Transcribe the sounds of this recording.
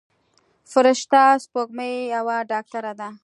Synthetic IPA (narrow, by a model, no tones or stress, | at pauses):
fʊɾɪʃt̪aspoɡməjjawaɖɑk̚t̪aɾad̪a